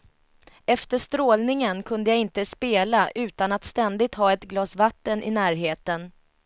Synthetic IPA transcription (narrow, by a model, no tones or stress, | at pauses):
ɛft̪əʂt̪ɾoːlnɪŋənkʰɵnd̪əjaɡɪnt̪əspeːlaʔʉ̟ːt̪anat̪st̪ɛnd̪ɪɡ̚t̪hɑːɛt̪ɡlɑːsvat̪ːənʔɪ̰næːɾɦeːt̪ən